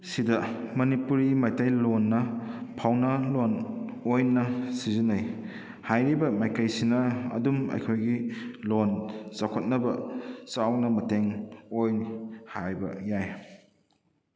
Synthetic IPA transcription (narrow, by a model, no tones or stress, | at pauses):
sidɐmɐnipuɾimajtajlonːɐpʰawnɐlonojnɐsizinaj | hajɾibɐmajkɐjsinɐɐ̰dumɐ̰jkʰojɡilonsakʰot̚nɐbɐt͡ʃawnɐmɐteŋojhajbɐ̰jaj